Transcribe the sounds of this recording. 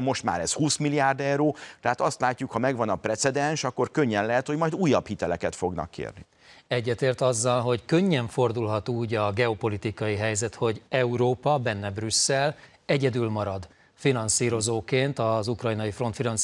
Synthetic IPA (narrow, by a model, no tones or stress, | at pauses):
mo̞ʃt̪ma̰ːɾɛshuːsmilijaːrd̪ɛwɾoːt̪ɛɦat̪ɒst̪laːcːukhɒmɛɡʋɒnɒprɛt̪sɛd̪ɛnʃɒkːo̞rkøɲːɛnlɛɦɛt̪homɒjd̪uːjːɒphit̪ɛlɛkɛt̪fo̞ɡnɒ̰kːḛːrni | ɛɟːɛt̪eːrt̪ɒzːɒlɦo̞ckøɲːɛɱfo̞rd̪ulɦɒt̪uːɟɒɡɛopo̞lit̪ikɒjiɦɛjzɛt̪ho̞ɟɛuɾoːpɒbɛnːɛbrysːɛl | ɛɟɛd̪ylmɒɾɒd̪ | finɒnsiːɾo̞zoːkeːnt̪ɒzukrɒjnɒjifro̞nt̪finɒns